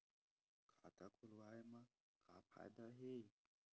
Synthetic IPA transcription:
kʰat̪akʰulwajma | kʰapʰa̰jd̪aɦe

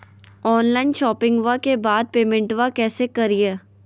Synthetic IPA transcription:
ɔːnlaːɪnʃɔːpɪ̃ŋɡʋakebaːd̪̚peːmɛ̃ɳʈʋakɛːsekɐɾieː

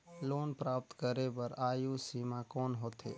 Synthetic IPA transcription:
loːnpɾaːp̚t̪kəɾepəɾaːjusiːmakɔːnɦoːt̪ḛː

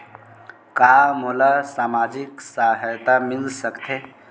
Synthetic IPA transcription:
kamulasamad͡ʒiksaɦjt̪amilsəkt̪ʰe

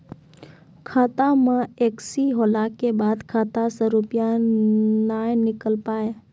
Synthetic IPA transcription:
kʰaːt̪amãeːksiɦoːlaːkːebaːd̪kʰaːt̪asəɾuːpɪja | naːenɪkəlpaːe

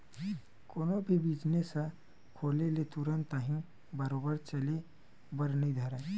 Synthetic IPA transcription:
koːnõbʱibiːd͡ʒnesa | kʰoːlelet̪ʊɾənt̪əɦĩ | bəɾoːbəɾt͡ʃɐle | bəɾnəid̪ʱɐɾẽː

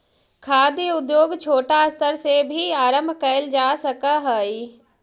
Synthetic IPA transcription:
kʰaːd̪jəʊd̪joːɡt͡ʃʰoːʈast̪ʰəɾsebʱiaːɾə̃mbʱkɐɪld͡ʒaːsɐkaɦəi

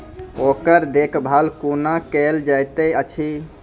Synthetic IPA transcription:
okəɾd̪ekʰbʱalkunakeld͡ʒajt̪əjət͡ʃʰi

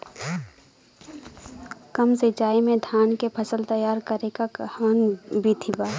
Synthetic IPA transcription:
kəmsed͡ʒaːimẽd̪ʱaːnkepʰəsəlt̪əjaːɾkəɾekahanbʱit̪ʰibaː

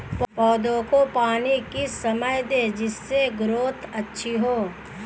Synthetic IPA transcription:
ppɔːd̪õkopaːnikisɐməjd̪eːd͡ʒɪsːeɡɾoːt̪ʰɐtːʃʰiɦoː

